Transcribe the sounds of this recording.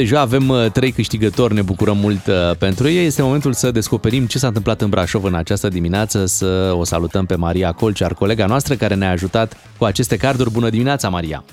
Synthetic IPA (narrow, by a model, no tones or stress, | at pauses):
d̪eʒaːve̞mt̪ɾe̞jkɨʃt̪iɡət̪o̞rʲne̞bukuɾəmːult̪pe̞nt̪ɾujejeje̞st̪e̞mo̞me̞nt̪ulsəd̪e̞sko̞pe̞ɾimt͡ʃe̞sant̪ɨmplat̪ɨnbɾaʃo̞vɨnat͡ʃast̪əd̪imineat̪səsəo̞sa̰lut̪əmpe̞maɾiako̞lt͡ʃiarko̞le̞ɡanoast̪ɾəkaɾe̞neaːʒut̪at̪ | kuat͡ʃe̞st̪e̞kard̪urʲbunəd̪imineat̪samaɾia̰